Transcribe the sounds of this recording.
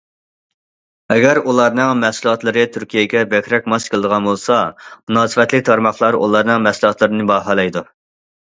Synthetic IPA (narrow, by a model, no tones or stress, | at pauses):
ɛɡʲɛɾulˠɑɾnɨŋmɛsulˠɑt̪lˠɨɾɨt̪ʰyɾkʲijɛɡʲɛbɛkʲɾɛk̚ʲmɑʃkʰəlˠɨd̪əʁɑnbolˠsɑmunɑːsɨvɛt̪lɪk̚ʲt̪ʰɑɾmɑχlˠɑɾṵlˠɑɾnɨŋmɛsulˠɑt̪lˠɨɾɨnɨbɑːɦɑlˠɑjd̪u